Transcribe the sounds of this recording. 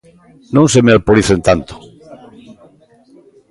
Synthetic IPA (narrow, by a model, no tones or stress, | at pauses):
nõnsemealpoɾiθent̪ant̪o̥